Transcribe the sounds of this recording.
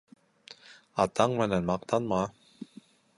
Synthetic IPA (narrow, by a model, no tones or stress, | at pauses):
at̪aŋmɛnanmaq̚t̪anma